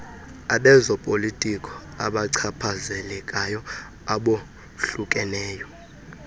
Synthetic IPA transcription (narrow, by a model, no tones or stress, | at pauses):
aɓɛzɔpʼolitʼikʼɔ̥ | a̰ɓaǀʰapʰazɛlɛkʼajɔ | aɓo | ɬukʼɛlɛːjɔ